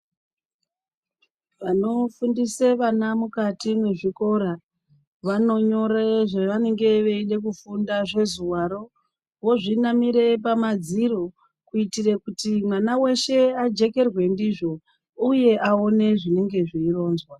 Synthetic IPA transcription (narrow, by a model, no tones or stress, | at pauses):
ʋano̞fundiseʋanamukatimwe̞ʐiko̞ɾa | ʋano̞ɲo̞ɾeʐeʋane̞ŋɡe̞ʋe̞inek̬ufundaʐe̞zuwaɾo̞ | wo̞ʐinamiɾe̞pamad͡ziɾo̞ | kuitirekutimwanawe̞ʃe̞ad͡ʒe̞ke̞rwe̞ndiʐo̞ | uje̞ʔao̞ne̞ʐine̞ŋɡe̞ʐiːro̞ːnzwa